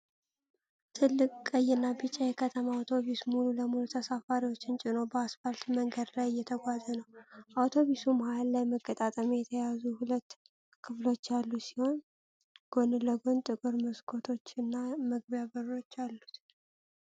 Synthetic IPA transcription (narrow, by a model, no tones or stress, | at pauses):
t̪ʰɨlːɨkʼkʼːəjɨnːabɨt͡ʃʼːajɛkʰət̪ʰəmaawt̪ʰo̞βismululəmulut̪ʰəsafaɾiwo̞t͡ʃːɪnt͡ʃʼɪno̞bəasfalt̪məŋɡəd̪lajɪjːɛt̪ʰəɡʷazənəwʔawt̪ʰo̞βisumhalːajməkʼːət̪ʼat̪ʼəmijɛt̪ʰəjazuhulət̪ː | kʰɨflo̞t͡ʃːalːusi̥ho̞n | ɡ̥o̞nɨləɡont̪ʼɨkʼɨɾmɨskʰo̞t̪ʰo̞t͡ʃːɨnːaməɡ̚bjaβɨro̞t͡ʃːalːut̪